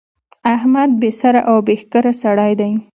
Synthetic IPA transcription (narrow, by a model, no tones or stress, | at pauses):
ahmad̪̚besaɾaʔawbehkaɾasaɽɑjd̪aj